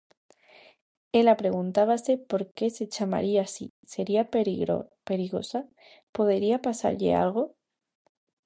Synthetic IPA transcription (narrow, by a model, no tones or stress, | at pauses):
elapɾe̞ɣ̞unt̪aβ̞ase̞po̞ɾke̞se̞t͡ʃama̰ɾiasi | se̞ɾiapo̰pe̞ɾiɣo̰sa | po̞ð̞eɾiapasa̰ɾʎḛa̰lɣ̞o̞